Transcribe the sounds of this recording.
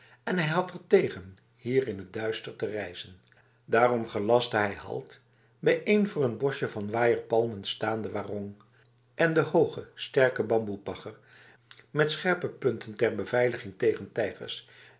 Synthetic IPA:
ɛnɦɛjɦɑtəɹtejχən | hiːrɪnɦət̚dœɥstəɹtərɛjzən | daːrɔmχəlɑsdəɦɛjhɑ̰lˠt | bɛjʔejnvʊːrənbɔʃəvɑnʋaːjəɹpɑlˠmənstaːndəʋaːrɔŋ | ʔɛndəhowχəstɛɹkəbɑmbupɑχəɹ | mɛtsχɛɹpəpɵntʰəntɛɹbəvɛjləχɪŋtejχəntɛjχə̰ɹs

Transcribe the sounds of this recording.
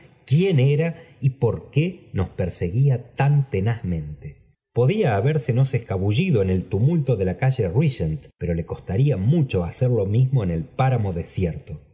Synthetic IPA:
kje̞neɾaipo̞ɾkeno̞speɾseɣiat̪ant̪e̞nazmẽ̞nt̪e | po̞ðiaːβeɾseno̞seskaβuʒiðo̞ene̞lt̪umult̪oðelakaʒe̞riʃent̪pe̞ɾo̞le̞ko̞st̪aɾiamut͡ʃo̞aseɾlo̞mizmo̞ene̞lpaɾamo̞ðesjeɾt̪o̞

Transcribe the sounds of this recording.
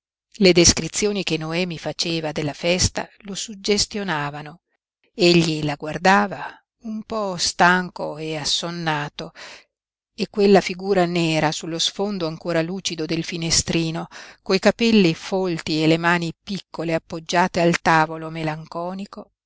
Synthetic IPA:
led̪eskɾit̪sːjoːnikenoɛːmifat͡ʃeːvad̪elːafɛst̪a̰losud͡ʒːest̪jonaːvano | eʎːilaɡward̪aːva | umpɔst̪aŋkoeasːonːaːt̪o | ekːwelːafiɡuːɾanɛːɾasulːosfond̪oaŋkoːɾaluːt͡ʃid̪od̪elfinest̪ɾiːnokoikapɛlːifolt̪ielemaːnipikʰːoleapːod͡ʒːaːt̪ealt̪aːvolomelaŋkɔːniko

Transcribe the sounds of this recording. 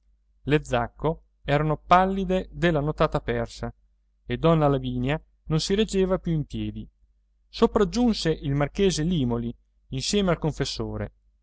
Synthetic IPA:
led̪zːakːo | ɛːɾanopalːid̪ed̪elːanot̪aːt̪apɛrsa | ed̪ɔnːalaviːnja | nonsiɾed͡ʒːeːvapjuimpjɛːd̪i | sopɾad͡ʒːunseʔilmark̟eːzeliːmoli | insjɛːmealkoɱfesːoːɾḛ

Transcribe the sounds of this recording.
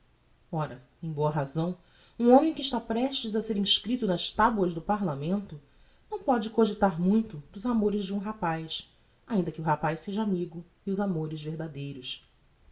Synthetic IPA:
ɔɾɐ | ẽj̃boɐɦazɐ̃w̃ | ũõmẽj̃kɪːʃt̪apɾɛʃt͡ʃɪzɐseɾĩʃkɾit̪ʊnɐʃt̪abwɐzd̪ʊpaɾlamẽnt̪ʊ | nɐ̃w̃pɔd͡ʒɪkoʒɪt̪aɾmũj̃t̪ʊd̪ʊzamoɾɪzd͡ʒɪũɦapajs | aĩnd̪ɐkɪʊɦapajʃseʒɐamiɡʊ | ɪʊzamoɾɪzveɦd̪ad̪ejɾʊs

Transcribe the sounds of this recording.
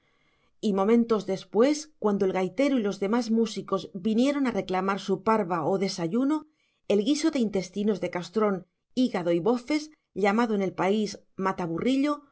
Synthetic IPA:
imõ̞mẽ̞nt̪o̞zðe̞spwe̞skwand̪o̞elɣajt̪e̞ɾoilo̞zðe̞mazmusiko̞zbinje̞ɾo̞nare̞klamaɾsupaɾβaoðe̞saʝuno | e̞lɣiso̞ðe̞int̪e̞st̪ino̞zðe̞kast̪ɾo̞n | iɣaðo̞iβo̞fe̞z | ʎamaðoene̞lpaiz | mat̪aβuriʎo̞

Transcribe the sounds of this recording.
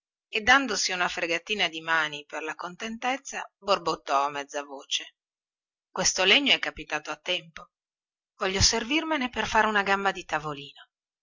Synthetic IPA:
ed̪ːand̪osiunafɾeɡat̪ːiːnad̪imaːniperlakont̪ent̪ɛt̪sːaborbot̪ːɔamːɛd̪zːavoːt͡ʃe | kwest̪oleɲːoɛkːapit̪aːt̪oat̪ːɛmpo | vɔʎːoservirmeneperfaːɾeunaɡambad̪it̪avoliːno

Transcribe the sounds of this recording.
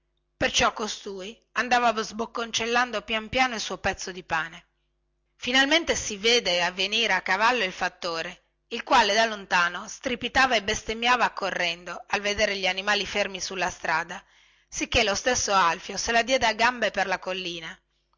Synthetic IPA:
pert͡ʃɔkːost̪uːi | and̪aːvavzbokːont͡ʃelːand̪opjampjaːnoilsuopɛt̪sːod̪ipaːne | finalment̪esiveːd̪eavːeniːɾeakːavalːoilfat̪ːoːɾe | ilkwaːled̪alːont̪aːnost̪ɾipit̪aːvaebest̪emjaːvaːkːorːɛnd̪oalved̪eːɾeʎianimaːlifermisulːast̪ɾaːd̪a | sikːelost̪esːoalfjoselad̪jɛːd̪eaɡambeperlakolːiːna

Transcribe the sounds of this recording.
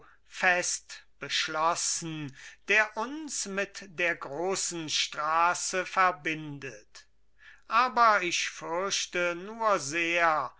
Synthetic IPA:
fɛstb̥əʃlɔsn̩d̥eːɐʔʊnsmɪtd̥eːɐɡʁoːsn̩ʃtʁ̥aːsəfɛɐbɪndət | ʔaːbɐɪʃfʏɐʃtənuːɐzeːɐ

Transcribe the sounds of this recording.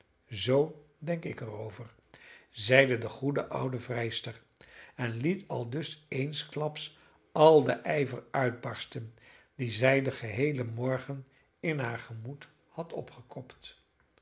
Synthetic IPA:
zow | dɛŋkɪkərowvəɹ | zɛjdədəχudəʔʌwdəvrɛjstəɹ | ɛnlitʰɑlˠdɵsejnsklɑps | ʔɑlˠdə̰ʔɛjvərœɥd̚bɑɹstən | dizɛjdəχəɦejləmɔɹχən | ɪnɦaːɹχəmut | hɑtɔpχəkɔpt

